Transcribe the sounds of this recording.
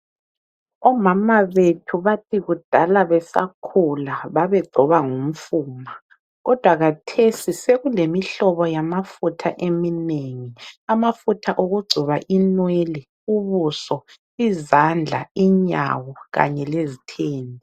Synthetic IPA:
ɔmamaβetʰuβatʰiɣud̥ʱalaβɛsa̰kʰulaβaβɛɡ͡ǀʱɔβaŋum̩fuːma | ɣɔd̥ʱwaɣatʰesiseɣulemiɬɔβɔjamafutʰaʔemineŋiamafutʰaʔoɣuɡ͡ǀʱuβaʔinwelɛ | uβusɔ | izand͡ɮʱa̰iɲa̰wɔɣa̰ɲɛlezitʰeːnʱi

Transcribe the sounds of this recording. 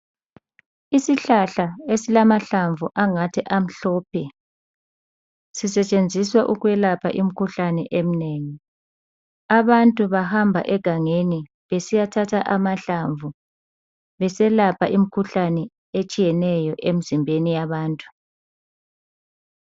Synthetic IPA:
isiɬaɬaesilamaɬaɱvuʔaŋatʰɛʔam̩ɬɔːpʰɛ | sisɛt͡ʃʼend͡zʱiswaʔuɣwɛlapʰa̰ʔim̩kʰuɬanɛʔem̩neːŋi | aβantʼuβahambʱa̰ʔɛɡ̥ʱaŋeni | βesijatʰatʰaʔamaɬaɱvu | βɛsɛlapʰa̰ʔim̩kʰuɬanɛ | et͡ʃʼijɛnɛjɔʔem̩zimbʱenijaβaːntʼu̥

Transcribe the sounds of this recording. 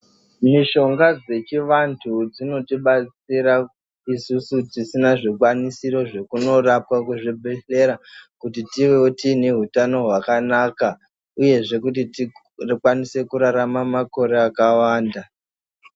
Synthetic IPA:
miʃo̞ŋɡad͡ze̞t͡ʃiʋantʰud͡zino̞tiɓat͡siɾa | isusutisinaʐikwanisiɾo̞ʐe̞kuno̞rapwakuʐibʱeɬe̞ɾakutitiʋe̞utine̞ɦutano̞ɦwakanaːka | uje̞ʐe̞kut̬iti | kwanise̞kuɾaɾamamako̞ɾe̞akawaːnda

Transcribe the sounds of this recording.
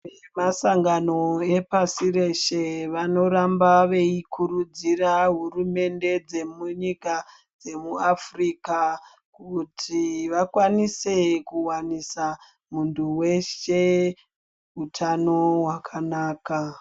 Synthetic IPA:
emasaŋɡano̞e̞pasire̞ʃe̞ʋano̞ɾambaʋe̞ikʰuɾud͡ziraɦurume̞nde̞d͡ze̞muɲika | d͡ze̞muafriːka | kutʰiʋakwanise̞kuwanisa | munduwe̞ʃe̞ | utʰano̞wakʰanaːka

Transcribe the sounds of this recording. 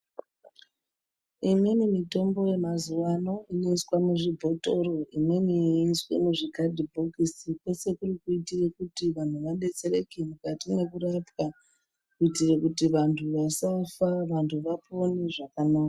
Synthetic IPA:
iminimito̞mbo̞je̞mazuwano̞inoiswamuʐibʱo̞to̞ɾo̞ʔiminiːswḛmuʐikadʱibʱokisikwe̞se̞kurikuitirekutiʋan̤uʋaɗe̞t͡se̞ɾekimukatine̞kuɾapka | kuitirekutiʋantʰuʋasafaʋantʰuʋaponeʐakanaːka

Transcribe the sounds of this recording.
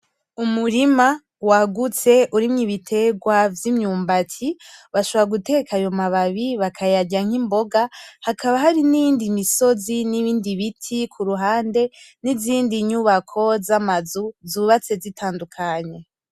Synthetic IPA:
umuɾima | waɡut͡se̞ʔuɾimɲiβitʰe̞ɡwavjimɲuːmbatʰiβaʃoβoaɡute̞kʰajo̞maβaβiβakʰajaɟaŋ̥imbo̞ɡahakʰaβaɦaɾinijiːndimiso̞ziniβiːndiβitʰikʰuɾuɦaːnde̞niziːndiɲuβakʰo̞zamazuzuβat͡se̞zitʰaːndukʰaɲe̞

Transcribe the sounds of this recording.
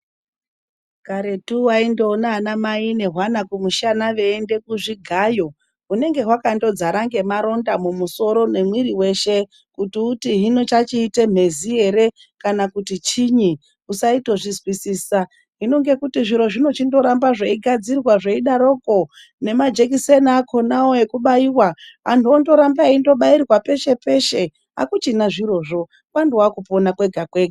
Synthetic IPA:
kaɾe̞tuwaindoːnaːnamaine̞ɦwanakumuʃanaʋe̞ːnde̞kuʐiɡʱajo̞ | une̞ŋɡe̞ɦwakando̞d͡zaɾaŋɡe̞maɾo̞ndamumuso̞ɾo̞ne̞mwiɾiwe̞ʃe̞ | kutiutiɦino̞t͡ʃat͡ʃiːtem̤e̞ziɦe̞ɾe̞ | kanakutit͡ʃiɲi | usaito̞ʐizwisiːsa | ɦino̞ŋɡe̞kutiʐiɾo̞ʐino̞t͡ʃindo̞ɾambaʐeiɡʱad͡zirwaʐeiɗaɾo̞ko̞ | ne̞mad͡ʒe̞k̬isenaːkʰo̞naoe̞kuɓaiwaɦantuondo̞ɾambaindo̞ɓairwape̞ʃe̞pe̞ʃe̞ | ɦa̰kut͡ʃinaʐiɾo̞ʐo̞ | wandiwakuponakwe̞ɡʱakwe̞ɡʱa

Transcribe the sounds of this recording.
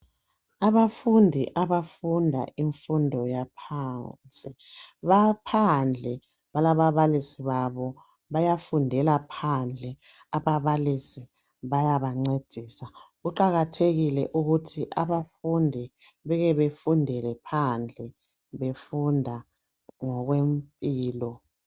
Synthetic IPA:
aβafundʱiʔaβafundʱa̰ʔiɱfundʱɔjapʰant͡sʼiβapʰand͡ɮʱɛ | βalaβaβalisiβaβɔ | βajafundʱɛlapʰand͡ɮʱɛ | aβaβalisi | βajaβaŋ͡ǀed̥ʱiːsaɣuǃaɣatʰeɣilɛʔuɣutʰiʔaβafundʱi | βɛɣɛβefundʱɛlɛpʰand͡ɮʱɛ | βefundʱa | ŋɔɣwempʼiːlɔ

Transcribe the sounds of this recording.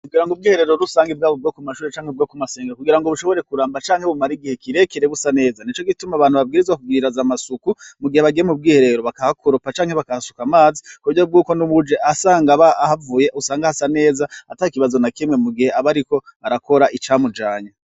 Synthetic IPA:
kuɡiɾaŋɡob̚ɡiːhe̞ɾe̞ɾoɾusaːŋɡibɡaːβob̚ɡo̞kumaʃuːɾet͡ʃaːŋhebɡokumase̞ːŋɡakuɡiɾaŋɡoβuʃo̞βo̞ɾe̞kuɾaːmbat͡ʃaːŋhe̞βumaɾiɡihe̞kiɾe̞kiɾeɡusane̞ːzanit͡ʃo̞ɡitumaβaːnhuβabɡiːɾizwakub̚ɡiːɾazamasukumuɡiheβaɡiemub̚ɡiːhe̞ɾe̞ɾoβakahakʰoɾopat͡ʃaːŋhe̞βakahasu̥kamaːzikuɟob̚ɡuːko̞nuβud͡ʒeʔasaːŋɡaβaahavuːjeʔusaːŋɡahasane̞ːzaataːikiβazo̞nakimŋe̞muɡihe̞aβaɾiko̞βaɾako̞ɾaʔit͡ʃaːmud͡ʒaːɲa

